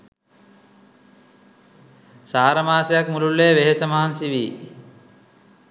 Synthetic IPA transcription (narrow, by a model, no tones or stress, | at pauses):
saːɾəmaːsejakmululːeːʋeɦesəmaɦansiʋiː